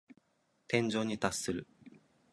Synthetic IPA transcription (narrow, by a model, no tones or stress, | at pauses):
t̪ẽ̞ɲ̟d͡ʑo̞ːɲ̟it̪asːɨɾɯ̟